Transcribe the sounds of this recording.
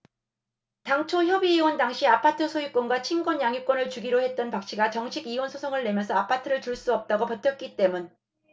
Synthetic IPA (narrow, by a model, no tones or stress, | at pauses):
taŋt͡ɕʰoçjʌbiːwʌntaŋɕʰiapʰatʰɯsʰojuk͈wʌnɡwat͡ɕʰinɡwʌɲjaŋjuk͈ʌnɯɭt͡ɕuɡiɾohe̞t̚t͈ʌnpak̚ɕ͈ʰiɡat͡ɕʌŋɕʰiɡiwʌnsʰosʰoŋɯɭːe̞mjʌnsʰʌapʰatʰɯɾɯɭtuɭs͈uʌp̚t͈aɡopʌtʰjʌt̚k͈it͈e̞mun